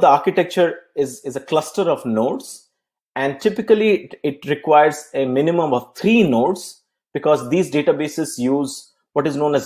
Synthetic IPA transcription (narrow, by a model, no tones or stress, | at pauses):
d̪əaːɾkɪʈɛk̚t͡ʃəɾɪzɪzəklʌsʈəɾɔʋnoːʈs | ɛ̃ɳɖ̚ʈɪpɪkəliɪʈɾɪkwaɪəɾzemɪnɪmə̃mɔʋt̪ʰɾiːnoːʈs | b̥ɪkɔːzd̪iːzɖeːʈabeːsɪsjuːz | ʋɔʈɪznõːnɛz